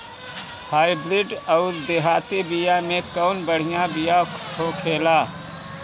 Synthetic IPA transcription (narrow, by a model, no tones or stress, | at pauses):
haːɪbɾɪɖɔʊɾd̪eɦaːt̪ebijamẽkɔːnbəɽ̤ɪjãbijakʰokʰeːlaː